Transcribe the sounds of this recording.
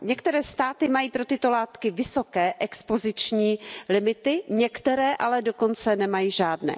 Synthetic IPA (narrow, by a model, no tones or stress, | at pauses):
ɲɛkt̪ɛɾɛːst̪aːt̪ɪmajiːpɾot̪ɪt̪o̞laːt̪kɪvɪso̞kɛːʔɛkspo̞zɪt͡ʃɲiːlɪmɪt̪ɪɲɛkt̪ɛɾɛːʔalɛdoko̞nt͡sɛnɛmajiːʒaːdnɛ̰ː